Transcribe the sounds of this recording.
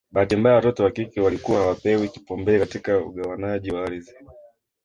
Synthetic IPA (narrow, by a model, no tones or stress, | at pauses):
ɓahatimbajawatɔtɛwakikɛwalikuwahawapɛwiki̥pɔmbɛːkatikaṵɠawanaʄiwaaɾizi